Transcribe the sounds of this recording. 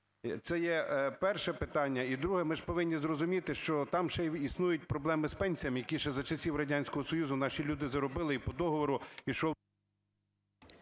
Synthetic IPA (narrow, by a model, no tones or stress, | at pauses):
t̪sɛjɛpɛrʃɛpɪt̪ɑnʲːɐid̪ɾuɦɛmɪʒpɔʋɪnʲːizrɔzʊmʲit̪ɪʃt͡ʃɔt̪ɑmʃɛisnujʊt̚ʲpɾɔblˠɛmɪspɛnʲsʲijɐmjɐkʲiʒɛzɐt͡ʃɐsʲiwɾɐdʲanʲsʲkɔɦɔsɔjuzʊnɑʃilʲud̪ɪzɐɾɔbɪlˠɪipɔd̪ɔɦɔʋɔɾʊiʃɔ